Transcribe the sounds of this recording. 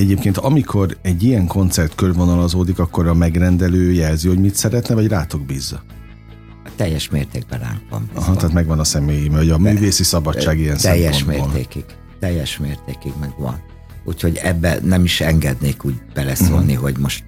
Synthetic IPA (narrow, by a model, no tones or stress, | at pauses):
ɛɟeːpkeːnt̪ɒmikʰo̞rɛɟːijɛŋko̞nt̪sɛrt̪kørvo̞nɒlɒzoːd̪ikɒkːo̞rɾɒmɛɡrɛnd̪ɛløːjɛlziho̞ɟmit̪sɛɾɛt̪nɛvɒɟraːt̪o̞ɡbiːzːɒ | t̪ɛjːɛʃmeːrt̪eːɡ̚bɛɾa̰ːŋkvɒ̰nɒɦɒt̪ɛːt̪mɛɡʋɒnɒsɛmeːjimɒɟɒmyːveːsisɒbɒt͡ʃt͡ʃːaːɡijɛnsɛjmːɛoʃmebːroːlḛːkiɡ | t̪ɛjːɛʃmeːrt̪eːkiɡmɛɡʋɒ̰n | uchoɟɛbːɛ̰nɛmiʃɛŋɡɛd̪neːkuːɟ̚b̥ɛlɛsoːlniɦo̞ɟmo̞ʃt̪